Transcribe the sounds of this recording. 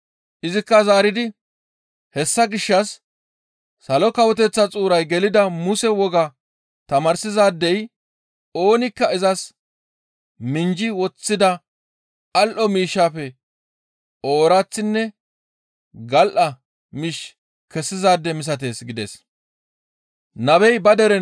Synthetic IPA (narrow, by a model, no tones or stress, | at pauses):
ʔɪzɪkːɐzaːɾɪd̪ɪ | hɛsːɐɡɪʃːɐsː | ɐlɔkɐwɔt̪̬ɛt͡sːɐt͡sʼuːɾɐjɡɛlɪd̪ɐmʊsɛwɔɡɐ | t̪ɐmɐɾsɪzaːd̪ːɛj | o̞ːnɪkːɐɪzɐs | mɪnd͡ʒɪwɔt͡sːɪd̪ɐ | ɐlʔɔmiːʃːaːfɛ | o̞ːɾat͡sːɪnːɛ | ɡɐlʔɐ | miʃ | kɛsːɪzaːd̪ːɛmɪs̬ɐt̪̬e̞ːsɡɪd̪ḛs | nɐbɛjbɐd̪ɛɾɛ